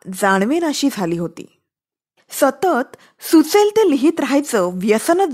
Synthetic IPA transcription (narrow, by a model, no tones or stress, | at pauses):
d͡zaɳ̃ʋenəɕiːd͡zʱaliːɦot̪ḭː | sət̪ət̪ | sut͡selt̪eliɦiːt̪ɾəɦajt͡səʋjəsənəd͡z